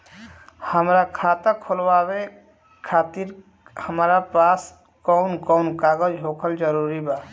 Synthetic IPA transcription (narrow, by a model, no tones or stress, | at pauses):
həmɾakʰat̪əkʰolwabe | kʰat̪iɾ | həmɾapas | kɔʊnkɔʊnkaɡəd͡ʒɦokʰəld͡ʒəɾuɾiba